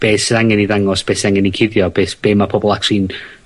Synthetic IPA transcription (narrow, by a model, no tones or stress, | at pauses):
b̥eːsaŋɛniðaŋɔsb̥eːsaŋɛnikʰɪðjɔb̥eːsb̥eːmapʰɔbɔlˠaksiːn